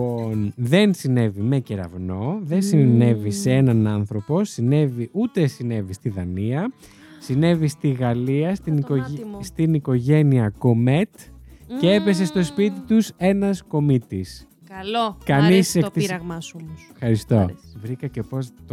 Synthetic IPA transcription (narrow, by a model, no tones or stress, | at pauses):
onðe̞nsine̞vime̞ceɾɐ̰vno̞ðensine̞viseenɐnɐnθɾo̞po̞sine̞viʔut̪e̞sine̞vist̪iðɐniɐ | sine̞vist̪iɣɐliɐst̪iniost̪iniko̞ʝe̞niɐko̞me̞t̪cee̞pe̞s̬e̞st̪o̞spit̪it̪use̞nɐsko̞mit̪is | ɐlokɐnisekt̪iɾɐɣmɐsxɐɾist̪ovɾikɐcepost̪